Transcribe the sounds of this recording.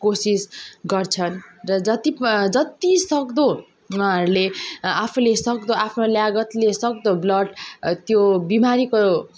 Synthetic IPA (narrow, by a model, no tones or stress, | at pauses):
kosisɡʌrt͡sʰʌnrʌd͡zʌt̪id͡zʌt̪isʌkd̪õ | aɾuleapʰulesʌkd̪oapʰnoljaɡʌt̪lesʌk̚d̪oblʌʈt̪jobimaɾiko